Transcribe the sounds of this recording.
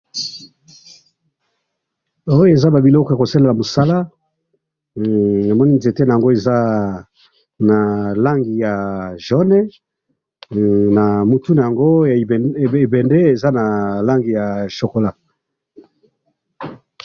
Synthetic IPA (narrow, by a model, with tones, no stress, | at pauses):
o˦jo˦e˨za˦ba˨bi˨lɔ˦kɔ˨a˨ko˨sa˦le˨la˨mo˨sa˦la˦ | na˨mɔ˦ni˦nze˨te˦na˨a˨ŋɡo˦e˨za˦ | na˨la˦ŋɡi˨ja˨ʒɔ˦nɛ˦ | na˨mo˨tu˦na˨ja˨ŋɡo˦˨e˨bɛ˨nde˦e˨za˦na˨la˦ŋɡi˨ja˨ʃo˨ko˨la˦˨